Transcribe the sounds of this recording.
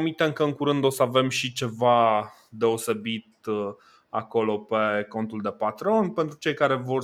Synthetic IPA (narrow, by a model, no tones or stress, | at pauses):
mit̪eɨŋkəɨŋkuɾɨnd̪o̞səave̞mʃit͡ʃe̞va | d̪e̞o̞se̞bit̪̚ | a̰ko̞lo̞pe̞ko̞nt̪uld̪e̞pat̪ɾo̞npe̞nt̪ɾut͡ʃe̞jkaɾe̞vo̞r